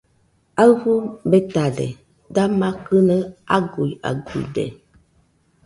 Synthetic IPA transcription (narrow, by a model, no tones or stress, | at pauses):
aɣubɛtadɛ̰ | damakənəaɡuja̰ɡṵdɛ̰